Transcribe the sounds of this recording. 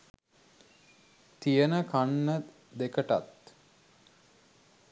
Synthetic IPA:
t̪ijənəkʰanːə | d̪ekəʈa̰t̪

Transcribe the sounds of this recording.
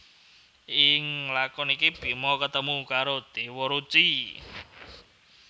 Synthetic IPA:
ʔɪŋlakɔnikib̥i̤mɔkət̪əmukaɾod̪̥e̤wɔɾut͡ʃi

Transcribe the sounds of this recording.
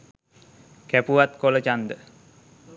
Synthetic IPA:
kæpuʋat̪kolət͡ʃand̪ə

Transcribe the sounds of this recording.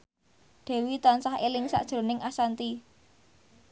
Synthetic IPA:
d̪̥ɛ̤wit̪ɔnsahelɪŋsa̰ʔd̥ʒ̥ɾo̤nɪŋʔasant̪i

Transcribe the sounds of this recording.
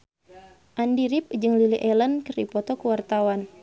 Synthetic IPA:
ʔandiɾip̚d͡ʒɨŋliliʔɛlənkərḭpɔt̪ɔkuwart̪awan

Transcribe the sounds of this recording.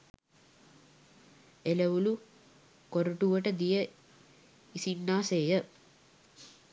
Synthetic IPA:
eləʋulu | koɾuʈuʋəʈəd̪ijə | isinːaːseːjə

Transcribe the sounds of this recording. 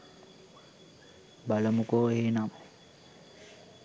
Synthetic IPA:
baləmukoːeɦenamə

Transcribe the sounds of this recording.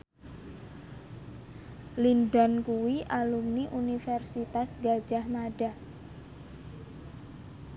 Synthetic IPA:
lindankuwiʔalumniʔunifɛrsit̪asɡḁd͡ʒahmaɖa

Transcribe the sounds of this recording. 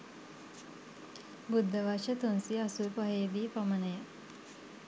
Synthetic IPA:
bud̪ʱːəʋaʃɐt̪unsiɐsupɐɦeːd̪iːpɐmənɐjə

